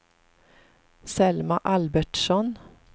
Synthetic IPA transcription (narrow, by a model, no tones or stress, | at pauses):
sɛlmaʔalbæʈʂɔn